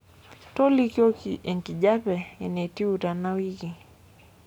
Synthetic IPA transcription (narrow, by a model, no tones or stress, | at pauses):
tɔlikiɔɛŋkiʄapɛɛnɛtiutanawiki